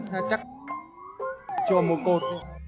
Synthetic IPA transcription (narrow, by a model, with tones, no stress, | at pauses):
t̪ʰa˧˩t͡ɕa˦˥k̚ | t͡ɕɔ˧˩mo˨˩t̚ko˨˩t̚